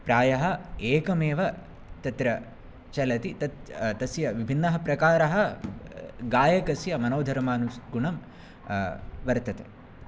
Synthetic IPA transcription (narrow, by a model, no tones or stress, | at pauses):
pɾaːjɐɦɐ̆eːkɐmeːʋɐ | t̪ɐt̪ɾɐ | t͡ʃɐlɐt̪it̪ɐt̪t̪ɐsjɐʋibʱinːɐɦɐpɾɐkaːɾɐɦɐ | ɡaːjɐkɐsjɐmɐnoːd̪ʱɐɾmaːnusɡuɳɐm | ʋɐɾt̪ɐt̪ḛ